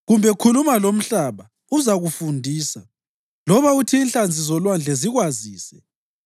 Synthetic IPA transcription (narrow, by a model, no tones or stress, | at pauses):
ɣumbʱɛkʰulumalom̩ɬaːβa | uzaɣufundʱiːsa | lɔβautʰiːnɬand͡zʱizɔlwand͡ɮʱɛziɣwaziːsɛ